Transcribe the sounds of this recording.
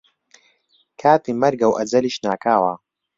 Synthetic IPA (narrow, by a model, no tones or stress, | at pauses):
kʰaːt̪iːmɐɾɡɐwʔɐd͡zɐliːʃnaːkʰaːwɐ